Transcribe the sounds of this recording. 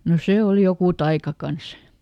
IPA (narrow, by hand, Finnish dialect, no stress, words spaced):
no seˑ ol jokuˑ tɑikɑ kɑns